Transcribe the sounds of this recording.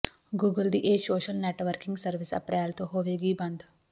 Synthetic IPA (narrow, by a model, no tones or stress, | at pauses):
ɡuːɡəld̪iːʔeːsoːʃəlneːʈʋəɾkɪ̃ŋɡsəɾʋɪsɐ̰pɾʔɛːlt̪õɦoːʋeːɡibɐ̃nd̪